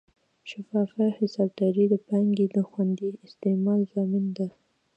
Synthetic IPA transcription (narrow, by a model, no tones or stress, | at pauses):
ʃɪfɑfahɪsɑb̚d̪ɑɾid̪əpaŋɡed̪əxwand̪iɪst̪emɑlzɑmɪnd̪a